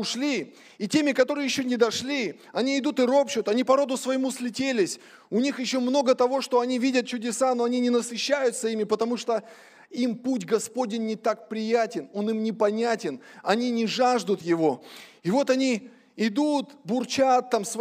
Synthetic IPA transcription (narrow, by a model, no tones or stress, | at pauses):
ʊʂlʲiː | tʲemʲɪkɐt̪o̞ɾɨjɪɕːonʲɪd̪ɐʂlʲi | ɐnʲiɪd̪ut̪ɨɾo̞pt͡ɕʊt̪ɐnʲipɐɾo̞d̪ʊsvəjɪmusʲlʲɪtʲelʲɪsʲ | ʊnʲixjɪɕːo̞mno̞ɡət̪ɐvo̞ʂt̪o̞ɐnʲivʲidʲət̪̚t͡ɕʊdʲɪsano̞ɐnʲinʲɪnəsɨɕːæjʊt̪səimʲɪpət̪ɐmuʂt̪o̞ | imputʲɡɐspo̞dʲɪnʲːɪt̪ak̚pɾʲɪjætʲɪno̞nɨmnʲɪpɐnʲætʲɪnɐnʲinʲɪʐaʐd̪ʊt̪jɪvo̞ɪvo̞t̪ɐnʲi | ɪd̪ut̪bʊrt͡ɕat̪ːamsv